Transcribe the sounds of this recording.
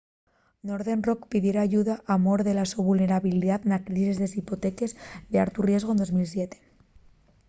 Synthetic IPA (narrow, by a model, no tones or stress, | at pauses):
no̞ɾðe̞nro̞kpiðjeɾaːʝuðaʔamoɾðe̞lasuβulne̞ɾaβiliðat̪nakɾisizðesipot̪e̞ke̞zd̪ea̰ɾt̪urje̞zɣ̞ond̪o̞zmils̬jet̪e̥